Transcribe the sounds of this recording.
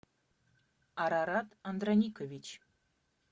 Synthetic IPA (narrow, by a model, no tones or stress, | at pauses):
ɑɾɑɾɑt̪ɑnd̪ranʲikovʲit͡ɕ